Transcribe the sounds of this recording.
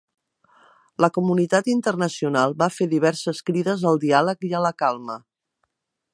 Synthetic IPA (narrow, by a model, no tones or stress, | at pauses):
ləkumunit̪at̪int̪ərnəsiunalˠbafeðiβ̞ɛɾsəskɾiðəzəlˠd̪ialəkiələkalˠmə